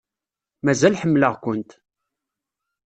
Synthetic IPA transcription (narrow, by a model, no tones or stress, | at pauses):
mæzælħəmːləʁkʷʊnt̪